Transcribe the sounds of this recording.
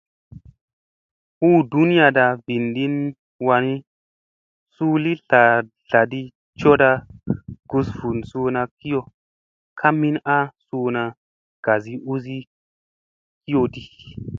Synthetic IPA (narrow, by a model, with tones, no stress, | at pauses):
ʔu˦du˦n˦ja˧da˧vi˨ndi˦n | wa˧ni˦ | suː˦li˦ɬa˨ | ɬa˨di˦ | t͡ʃo˦da˧ɡ̥u˧svu˨nsu˧na˧ki˦jo˨ | kʰa˦mi˦na˦suː˧na˧ | ɡ̥a˨zi˦ʔu˦zi˦ | ki˦jo˧di˦